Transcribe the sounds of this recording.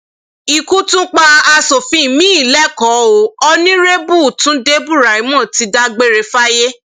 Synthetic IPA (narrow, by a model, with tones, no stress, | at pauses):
i˨ku˦tũ˦k͡pa˦a˧so˨fĩ˨˧˨mĩ˦i˦˨lɛ˦˨kɔ˨˦o˨˦ɔ˧nĩ˦ɾe˦bu˦˨tũ˨˦de˦bu˦˨ɾa˨i˨˦mɔ̃˦˨ti˧da˧ɡ͡be˦ɾe˧fa˦je˦